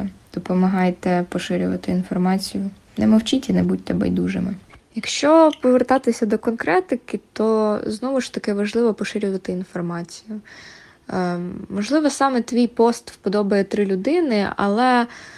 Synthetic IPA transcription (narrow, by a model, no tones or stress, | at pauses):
d̪̥ɔpɔmɐɦɑjt̪ɛpɔʃɪɾʲʊʋɐ̰t̪ɪinfɔrmɑt͡sʲijʊ | nɛmɔwt͡ʃitʲinɛbudʲt̪ɛbɛ̰jd̪uʒɪ̰mɪjɐkʃt͡ʃɔpɔʋert̪ɑt̪ɪsʲɐd̪ɔkɔnkɾɛt̪ɪkɪt̪ɔznɔʋʊʃt̪ɐkɪʋɐʒlˠɪʋɔpɔʃɪɾʲʊʋɐt̪ɪin̪fɔrmɑt͡sʲijʊ | mɔʒlˠɪʋɔsɑmɛt̪ʋʲijpɔst̪pɔd̪ɔbɐjɛt̪ɾɪlʲʊd̪ɪnɪɐ̰lˠɛ